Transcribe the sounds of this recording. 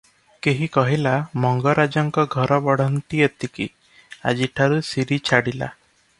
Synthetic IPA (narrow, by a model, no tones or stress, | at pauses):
keɦikɔɦilamɔŋɡɔɾad͡ʒɔŋkɔɡʱɔɾɔbɔɽ̤ɔnt̪iet̪iki | a̰d͡ʒiʈʰaɾusiɾit͡ʃʰaɽila̰